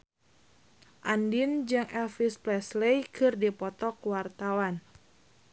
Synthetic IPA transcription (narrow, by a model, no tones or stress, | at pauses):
ʔandind͡ʒɨŋɛlfisplɛslejkʰɨrdipɔt̪ɔkwart̪awan